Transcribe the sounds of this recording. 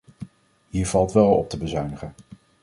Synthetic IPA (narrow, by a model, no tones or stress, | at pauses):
ɦiːɹv̥ɑlˠtʋɛlˠɔ̰p̚təbəzœɥnəχən